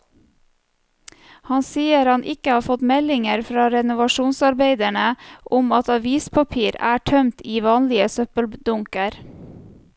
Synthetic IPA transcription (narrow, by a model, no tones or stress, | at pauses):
hɑnsiːəɾɑnʔɪkəhɑːfɔt̪mɛlɪŋəɾfɾɑːɾɛnʊʋɑʃuːnsɑɾbeɪd̪æɳəʔʊmɑt̪ɑʋiːspʰɑpʰiːɾæːʈʰœmt̪iːʋɑːnlɪəsœpəld̪ʊŋkəɾ